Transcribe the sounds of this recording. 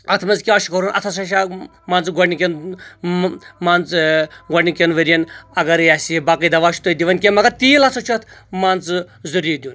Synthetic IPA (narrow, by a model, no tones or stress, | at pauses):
ɐt̪ʰmɐzkʲiaːʃikɐɾunʔɐ̰t̪ʰɐsɐʃa | maːnt͡sɡonikʲɐn | mant͡sɡɔnikʲenʋɐɾijɐnɐɡɐɾjaːsiebakijd̪ɐʋaːʃi̥t̪oid̪iʋɐnkʲemɐɡɐɾt̪iːlat͡sʰot͡ʃʰɐt̪ʰmant͡sɨzɨɾiːd̪ʲun